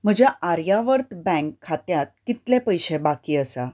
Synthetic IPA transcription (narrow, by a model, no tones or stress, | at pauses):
m̤əd͡ʑaaɾjaʋəɾt̪bɛ̃ŋkʰːat̪jat̪̚kit̪lepəjɕebakiːəsa